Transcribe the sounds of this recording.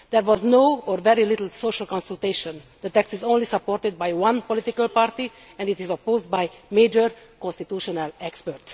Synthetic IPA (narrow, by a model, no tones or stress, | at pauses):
d̪ɛɾʋɔznoːɔɾvɛɾilɪt̪əl̩soːʃəlkɔ̃nsult̪eːʃɔ̃nd̪ət̪ɛkst̪izõːnlisapːoɾt̪id̪̚bajwʌ̃npolit̪ikəlpaːɾt̪i | ɛ̃nd̪it̪izopoːzd̪̚bajmeːd͡ʒəɾ | kɔ̃nst̪it̪juːʃonɛlɛkspəɾts